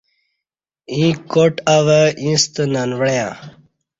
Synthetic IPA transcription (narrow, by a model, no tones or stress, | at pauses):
ĩkoʈaʋəĩst̪ənanʋəjã